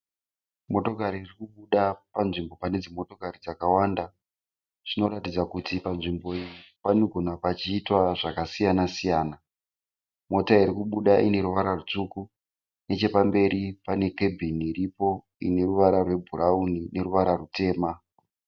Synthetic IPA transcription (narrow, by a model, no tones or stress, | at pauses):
mo̞to̞kaɾiːrikuɓuɗapanʐimbo̞pane̞d͡zimo̞to̞kaɾid͡zakawanda | ʐ̥ino̞ɾatid͡zakutipanʐimbo̞ijiipanoɡʱo̞napat͡ʃiːtwaʐakasijanasijaːna | mo̞taiɾikuɓuɗaʔine̞ɾuʋaɾarut͡ʂuku | ne̞t͡ʃe̞pambe̞ɾipane̞ke̞bʱiniɾipo̞ | ḭne̞ruʋaɾarwe̞bʱuraunine̞ɾuʋaɾarute̞ːma